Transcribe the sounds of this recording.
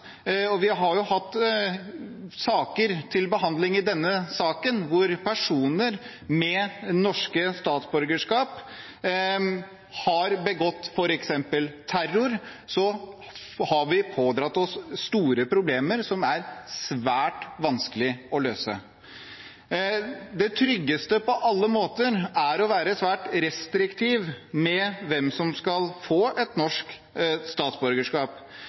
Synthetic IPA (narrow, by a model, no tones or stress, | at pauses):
ɔʋɪɦɑɾjʊhɑt̪ː | sɑːkəɾt̪ʰɪlbəɦɑnd̪lɪŋɪd̪ɛnːəsɑːkənʋʊɾpʰæʂuːnəɾ | mɛnɔʂkəst̪ɑːt̪sbɔɾɡəʂkɑːp | hɑɾbəɡɔt̪ːfɔɾɛksɛmpəlt̪ʰæɾʊɾ | sɔ | hɑʋɪpʰoːd̪ɾɑt̪ːɔsːt̪uːɾəpʰɾʊbleːməɾsɔmæɾsʋæːʈʋɑnskəlɪɔløːsə̰ | d̪ɛt̪ʰɾʏɡːəst̪əpʰɔʔɑlːəmoːt̪əɾæɾɔʋæːɾəsʋæːʈɾɛst̪ɾɪkt̪ʰiːʋmɛʋɛmsɔmskɑlfoːʔɛt̪nɔʂk | st̪ɑːt̪sbɔɾɡəʂkɑːp